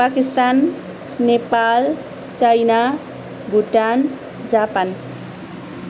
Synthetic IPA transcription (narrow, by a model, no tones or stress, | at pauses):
pakist̪anː | epal | t͡sajna | ɡʱuʈan | d͡zapan